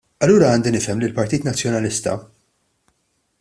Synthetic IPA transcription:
ɐlːuːɾɐɐːnd̪inɪfɛmlɪlpɐɾt̪iːt̪nɐt͡sːjɔnɐlɪst̪ɐ̰

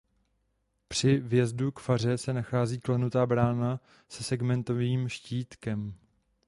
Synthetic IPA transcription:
pr̝̥ɪvjɛzdukfar̝ɛsɛnaxaːziːklɛnut̪aːbɾaːna | sɛsɛɡmɛnt̪o̞viːmʃciːt̪kɛm

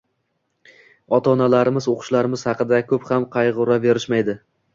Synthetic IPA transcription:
ɒt̪ʰɒnalaɾɪmɪzoqʰʊ̥ʃlaɾɪmɪz̥hɑqɨd̪akʰɵphamqʰɑjʁʊɾabe̞ɾɪʃmajd̪ɪ

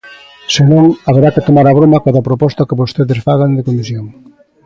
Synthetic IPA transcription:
senõŋaβeɾakɪt̪omaɾaβɾomɐkaðapɾopɔst̪akeβost̪eðɪsfaɣand̪ɪkomisjoŋ

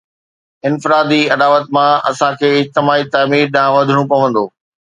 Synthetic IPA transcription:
ɪnfɪɾaːd̪iɐdaːʋət̪mãɐsãkʰeːɪɦt̪ɪmaːit̪aːmiːɾɗãːʋɐd̪ʱəɽ̃ũpɐʋə̃nd̪oː

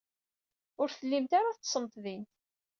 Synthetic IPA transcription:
ʊɾθəlːimt̪aɾaθsˤəmt̪ðin

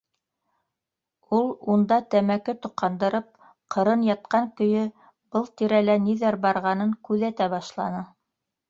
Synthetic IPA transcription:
ulˠund̪ɑt̪æmækɘt̪ŏqʰːɑnd̪ɤ̆ɾɤp̚ | qʰɤ̆ɾɤnjɑt̪̚qɑŋkɵ̆jɵ | b̥ɤlˠt̪iɾælæniðæɾbɑɾʁɑnɤŋkʉðæt̪æbɑʃlˠɑnɤ

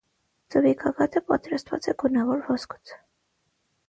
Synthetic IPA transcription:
t͡səvikʰɑɡɑt̪ʰəpɑt̪ɾɑst̪vɑ̰t͡sɛɡunɑvɔɾvɔskʰu̥t͡sʰ

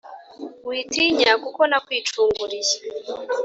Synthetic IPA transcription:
wiːtiɲakuko̞nakwiːt͡ʃuːŋɡuɾija

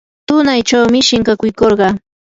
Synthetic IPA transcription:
t̪ʊnajt͡ʃawmɪʃɪŋkakʊjkoɾɢɑ

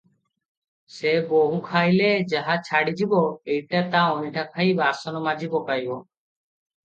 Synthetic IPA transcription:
seboɦukʰajled͡ʒaɦat͡ʃʰaɽid͡ʒibɔejʈat̪aɔniʈʰakʰajbasɔnɔmad͡ʒibɔkajbɔ

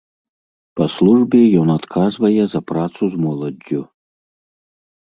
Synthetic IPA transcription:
pɐslˠuʐbʲɛjɔnat̪kʰazvɐjɛzɐpɾat̪suzmɔlˠɐd͡zʲːu

